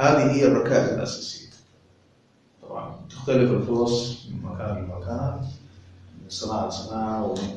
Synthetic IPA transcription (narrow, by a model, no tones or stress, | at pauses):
haːðiɦɪjːarˤːɑkaːʔɪlʔa̰sasḭt̪ | t̪ˤɑ̰bʕɑ̰nt̪ɪxt̪alɪfɪlfʊɾɑsˤmɪmakaːnɪlmakaːnat̪ | mɪnsˤɑnɑːʕasanaːʕawɪm